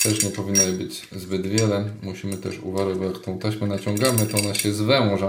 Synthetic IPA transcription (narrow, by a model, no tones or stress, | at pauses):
t̪ɛʂɲɛpɔvʲinːajɛbɘd͡ʑ | zbɘd̪vʲjɛlɛmuɕimɘt̪ɛʂṵvaɾɛbɔjakt̪ɔ̃w̃t̪ɛɕmɘnat͡ɕɔ̃ŋɡamɘt̪ɔɔnaɕɛzvɛmɔʐa